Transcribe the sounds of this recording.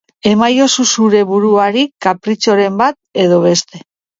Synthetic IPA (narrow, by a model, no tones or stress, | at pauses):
e̞majo̞susuɾe̞βuɾuaɾikapɾit͡ʃo̞ɾe̞mbat̪̚e̞ð̞o̞β̞e̞st̪e̞